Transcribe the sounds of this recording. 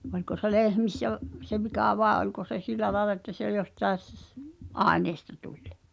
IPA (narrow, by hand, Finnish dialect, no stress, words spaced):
olʲko se lehmisːæ ʋ se ʋikɑˑ ʋɑˑe ʔolʲko se siˑlæ lɑĕlɑ etːæ se jostɑes sː ʔɑeneːstɑ tulʲ